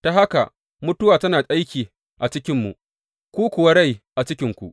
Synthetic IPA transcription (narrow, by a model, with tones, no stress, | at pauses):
ta˨ɦa˦ka˨ | mʊ˦tʊ˦waː˨tɐ˦naː˨sʼa˦jkʲiː˨ | ʔa˨t͡ʃɪ˦kʲɪ˦mːu˨ʔ | kʷuː˦kʷʊ˨wɐ˦ɽa˦˨jʔa˨t͡ʃɪ˦kʲɪ˦ŋkʷṵ˨ʔ